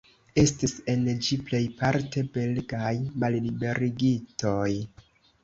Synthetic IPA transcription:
e̞stise̞nd͡ʒiple̞jpaɾte̞be̞lɡajmallibe̞ɾiɡito̞j

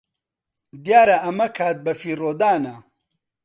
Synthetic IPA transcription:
d̪jaːɾɐʔɐmɐkʰaːt̪̚bɐfiːroːd̪aːnɐ

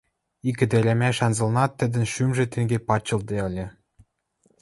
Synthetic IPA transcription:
ikɘ̆d̪ĕɾʲæmæʃɑnzɤ̆lnɑt̪ːɘ̆d̪ɘ̆nʃymʒĕt̪eŋɡʲepɑt͡ɕːɤ̆ld̪eɤ̆lʲĕ

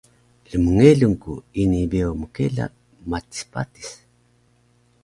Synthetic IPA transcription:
ləmuŋeɮuŋkuinibeoməkḛla̰ | mati̥spa̰ti̥s

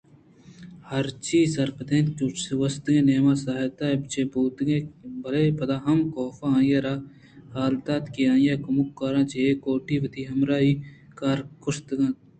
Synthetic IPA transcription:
hɐɾt͡ʃiːsɐɾpɐd̪ẽːnt̪kusʋɐst̪ɡẽːneːmaːsaːɦet̪aebt͡ʃeːbuːt̪ɡebɐleːpɐd̪aːɦɐmkoːfaãːjɐɾaː | haːlt̪aːt̪kijãːjakɐmukːaːɾãːt͡ʃeeːkoːʈiːʋɐt̪ʰiːɦɐmɾaːiː | kaːɾkʊst̪ɡɐ̃t̪

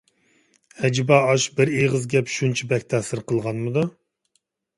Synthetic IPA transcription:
hɛd͡ʒibɑɑʃbɪɾeʁəzɡʲɛpʃunt͡ʃʰibɛkʲt̪ʰɛsɪɾqəlˠʁɑnmɨd̪u

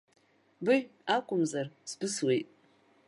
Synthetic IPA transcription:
bɨʒᶣakʷʼʊmzarsbɨswejtʼ

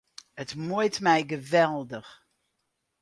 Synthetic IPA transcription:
ətmujtmɛjɡəvɛlˠdəx

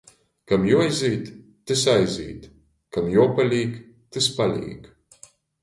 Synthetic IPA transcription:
kamjuɔjzʲiːt̪ː | ɨsajzʲḭːt̪ | kamjupalʲiːk | t̪ɨspalʲḭːk

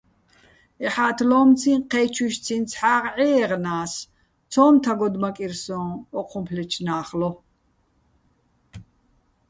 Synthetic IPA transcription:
ɛħaːt̪ʰlɔːmt͡sʰĩqʰɛːt͡ʃʰuʃt͡sʰĩnt͡sʰħaːʁʕɛːʁnaːs | t͡sʰɔːmt̪ʰaɡɔd̪makʼiɾsɔ̃ːɔqʰɔmpʰlɛt͡ʃʰnaːχlɔ

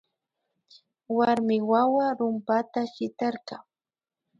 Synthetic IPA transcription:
waɾmɪwawaɾʊmpat̪aʃɪt̪ɑɾqɑŋ

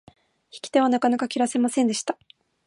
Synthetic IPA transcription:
çi̥kʲi̥t̪e̞β̞anakanakakʲiɾase̞masẽ̞nd̪e̞ɕi̥t̪a

